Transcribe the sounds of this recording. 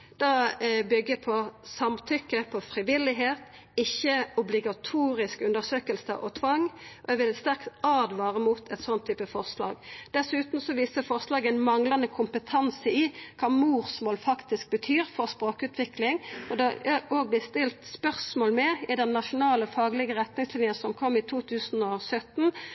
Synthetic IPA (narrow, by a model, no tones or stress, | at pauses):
d̪̥ɑbʏɡːəpʰɔsɑmt̪ʰʏkːəpʰɔfɾɪʋɪlːɪɦeːt̪ | ɪçːəɔblɪɡɑt̪ʰuːɾɪskʉnd̪əsøːkəlsəʔɔt̪ʰʋɑŋːɔɛʋɪlɛt̪st̪æʁkt̪ɑːd̪ʋɑːɾəmuːt̪ʰɛt̪sɔnt̪ʰːyːpəfɔʁslɑ̰ːɡd̪̥ɛsʉːt̪n̩sɔʋiːsəfɔʁslɑːɡænmɑŋlɑnəkʰʊmpət̪ʰɑnsəɪkʰɑːmuːʁsmoːlfɑkt̪ɪsk̚bət̪ʰyːɾfɔʁspɾoːkʉːt̪ʰʋɪklɪŋɔd̪ɛʔoːɡ̚blɪst̪ɪlt̪spœʁsmoːlmɛɪd̪ɛnːɑʃʊnɑːləfɑːɡlɪɡəʁɛt̪nɪŋslɪnjənsɔmkʰɔmːɪt̪ʰuːt̪ʰʉːsnɔsœt̪n